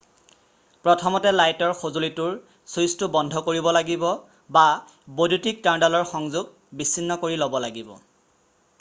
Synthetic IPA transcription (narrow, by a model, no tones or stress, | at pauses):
pɹɔtʰɔmɔtɛlajtɔɹxozolitʊɹ | sustubɔndʱɔkoɹibɔlaɡibɔ | ba | bodutik̚taɹndalɔɹxɔŋzuɡ̚ | bisːinːɔkoɹilobɔlaɡibɔ̰